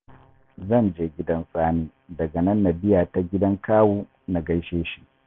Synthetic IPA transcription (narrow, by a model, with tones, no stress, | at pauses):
zɐ˦˨nd͡ʒeː˦ɡʲɪ˦dɐ˦nsʼaː˦niː˦ | dɐ˨ɡɐ˨nɐ˦nːɐ˨bɪ˦jaː˨ta˦ɡʲɪ˦dɐ˦ŋkaː˦woː˦ | na˨ɡɐ˦jʃeː˦ʃi˦˨ʔ